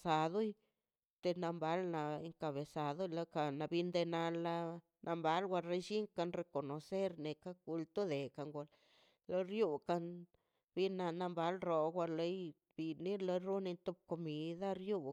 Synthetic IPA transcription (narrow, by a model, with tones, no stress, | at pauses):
sa˨d̪o˦j | t̪e˧na˧mba˨˦lna˧e˧ŋka˧βe˨sa˨d̪o˦la˧˦ka˧na˧bi˧nd̪e˧na˧la˧ | nʔa˧mba˧˦lɡʷa˧ɾe˧ʃi˦ŋka˧nɾe˧ko˨no˨se˦ɾne˨ka˦ku˧lt̪o˦d̪e˨ka˨ŋɡa˧l | lo˧ɾju˦ka˧n | bi˧na˧na˧mba˧˦lɾo˨ɡʷa˧le˧˦j | b̥i˨ni˦lo˧ɾu˦ni˧nt̪o˧b̚ko˧mi˧d̪a˦ɾju˦